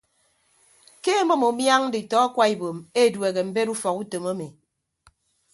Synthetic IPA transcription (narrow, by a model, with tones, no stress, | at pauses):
ke˦mɔ˦mo˨mja˦ŋ̩˦di˨tɔ˨˦a˦kwa˦i˨bo˨me˦˨dwe˨ɣe˨m̩˨˦be˦ɾu˦fɔ˨ku˦to˨mo˦mi˨